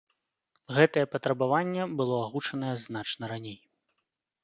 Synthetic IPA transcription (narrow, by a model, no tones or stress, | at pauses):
ɣɛt̪ɐjɛpɐt̪ɾɐbavanʲːɛbɨlˠɔaɣut͡ʂɐnɐjɛznat͡ʂnɐɾanʲej